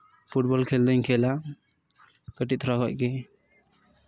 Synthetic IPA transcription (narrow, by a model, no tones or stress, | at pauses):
pʰuʈ̚bɔlkʰɛld̪əɲkʰɛla | kəʈit̪ʰɾaɦɔʔ̚kɛ